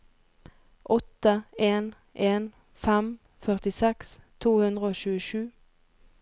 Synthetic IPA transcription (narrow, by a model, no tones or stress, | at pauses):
ʔɔt̪əeːn | ʔeːn | fɛm | fœʁt̪ɪsɛkst̪ʰuːhʉnd̪ʁəoːʃʉːəʃʉː